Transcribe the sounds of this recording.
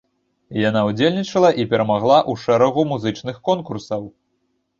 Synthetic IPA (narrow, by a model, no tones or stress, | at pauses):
janaud͡zʲelʲnʲit͡ʂɐlˠɐʔipʲɛɾɐmaɣlˠaʔuʂɛɾɐɣumuzɨt͡ʂnɨxkɔnkursɐw